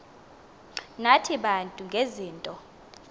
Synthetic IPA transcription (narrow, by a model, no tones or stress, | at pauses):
natʰiɓantʼuŋɡʱeziːntʼɔ